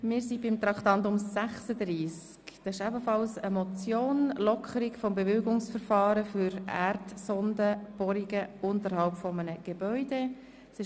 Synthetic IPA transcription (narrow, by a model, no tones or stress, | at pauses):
mɪːɾsibɪmt̪ɾɑkt̪ɑntʊmsæχsəd̪ɾiːs | kd̥̪ɑɪʃæbəfɑlsəmɔt͡sjoːnlɔkʰχəɾiɡfɔmbevɪlɡʊŋsfəɾfɑːɾəfʏɾæ̰rtsɔnd̪əb̥ɔɾiɡəʊnt̪əɾhɑlpfɔmənəɡ̥ebœʏd̥e | sɪ